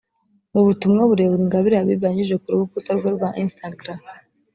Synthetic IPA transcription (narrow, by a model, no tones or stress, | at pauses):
muβutumŋaβuɾe̞ːβuɾiŋɡaβiɾaβiβaɲiʒekuɾuβukutaɾɡweɾɡwaʔinstaɡɾam